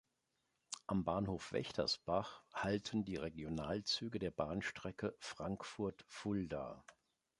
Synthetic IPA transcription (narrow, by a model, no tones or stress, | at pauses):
ʔambaːnhoːfv̥ɛ̰çtʰɐ̰sb̥aχhaltʰən̩diːʁeɡjonaːlt͡syːɡədeːɐbaːnʃtʁ̥ɛkəfʁ̥aŋkfʊɐtfʊlda̰ː